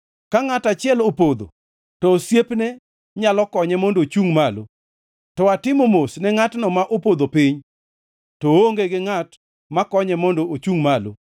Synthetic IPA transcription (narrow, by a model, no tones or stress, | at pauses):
kaŋatat͡ʃɪɛlopod̪o̰ | tɔːsjepnɛ | ɲalɔkɔɲɛmɔndot͡ʃuŋmalo | tɔatɪmomosnɛŋatnɔmaʔopod̪opɪɲ | tooŋɡeɡɪŋat | makɔɲɛmɔndoot͡ʃuŋmalo̰